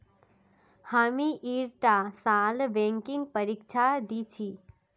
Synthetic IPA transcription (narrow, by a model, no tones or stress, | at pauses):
hamiʔiɾʈasalʋeŋkiŋɡ̚pəɾikt͡ʃʰad̪it͡ʃʰi